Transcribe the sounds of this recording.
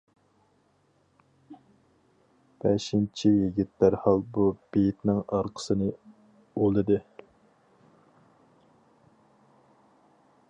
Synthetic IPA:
b̥ɛʃint͡ʃʰijiɡʲit̪læɾhɑlˠbub̥ejt̪nɪŋɑɾqʰə̥sɨnɨ | olˠɨd̪ɨ

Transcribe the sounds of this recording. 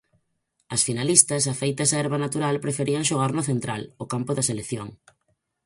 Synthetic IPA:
ɐsfinalist̪ɐsafejt̪ɐsaɛɾβɐnat̪uɾalpɾefeɾiɐŋʃoɣ̞aɾnoθent̪ɾalokampʊðɐselekθjoŋ

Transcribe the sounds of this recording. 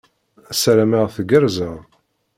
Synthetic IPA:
æsæɾæməʁθəɡəɾzəʁ

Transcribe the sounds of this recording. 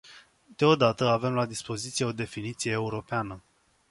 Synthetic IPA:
d̪eo̞d̪at̪əave̞mlad̪ispo̞zit̪sijeo̞d̪e̞finit̪sijeːuɾo̞peanə

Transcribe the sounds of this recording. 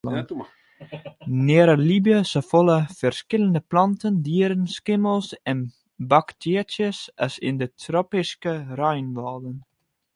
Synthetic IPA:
nɪəɾəlibjəsəfoləfərskɪləndəplɑntəndiəɾənskɪməlˠsɛn | bɑktɪətjəsəsɪ̰ndətʰropɪskərœjnʋɔːdən

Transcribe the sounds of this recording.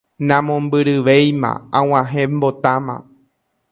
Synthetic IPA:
nãmõmbɨɾɨʋejmã̰ãw̃ãɦẽmbot̪amã̰

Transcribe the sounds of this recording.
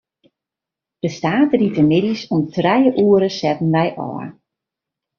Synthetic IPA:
d̥əstaːtritəmɪdisɔmtʰrɛjəʔuəɾəsɛtn̩ʋɛjʔɔ̰ːr

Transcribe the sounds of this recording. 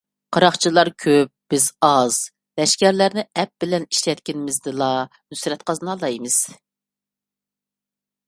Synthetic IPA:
qʰɑɾɑχt͡ʃʰilˠɑɾkʲʰøp̚b̥ɪzɑz̥ | lɛʃkʲæɾlæɾnɪɛp̚b̥ɪlɛni̥ʃlɛt̪̚ʲkʲɪnɪmɪzd̪ɪlˠɑ | nysɾɛt̪qɑznɑlˠɑjmɨz̥

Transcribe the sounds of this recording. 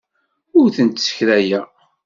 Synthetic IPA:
ʊɾθənt̪sə̥çɾæjæ

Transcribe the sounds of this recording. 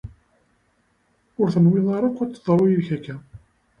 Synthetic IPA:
ʊɾθənwɪðˤɑɾˤɑqːæt͡sːəðˤɾˤujçækːæ

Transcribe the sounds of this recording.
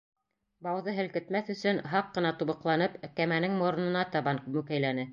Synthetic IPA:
bɑwðɤɦɘ̆lkɘ̆t̪mæθɵ̆sɵnɦɑqːɤ̆nɑt̪uβɤ̆qlˠɑnɤpækæmænɘŋmŏɾɤ̆nɤ̆nɑt̪ɑβɑnmʉkæjlænɘ

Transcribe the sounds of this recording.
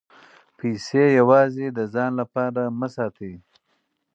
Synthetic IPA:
pʰisejawɑːzed̪əzɑːnlapɑːɾaməsɑːt̪ʰi

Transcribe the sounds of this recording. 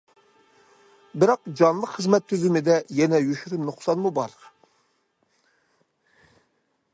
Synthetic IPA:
bɪɾɑq̚d͡ʒɑnlˠəqχəzmɛt̪ʰːyzymɪd̪ɛjɛnɛjyʃyɾymnoχsɑnmubɑɾ

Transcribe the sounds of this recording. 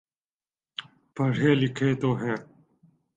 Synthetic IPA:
pəɽ̤eːlɪkʰeːt̪oːɦɛ̃ː

